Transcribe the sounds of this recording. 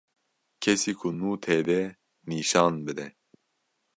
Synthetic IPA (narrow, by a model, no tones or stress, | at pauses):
kʰɛsiːkʰunuːt̪ʰɛːd̪ɛ | niːʃɑːnbɨd̪ɛ